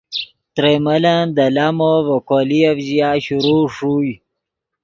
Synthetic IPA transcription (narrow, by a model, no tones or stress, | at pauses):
t̪ɾemɐland̪ɐlamovɐkoːliavzijaːɕuɾuʂuj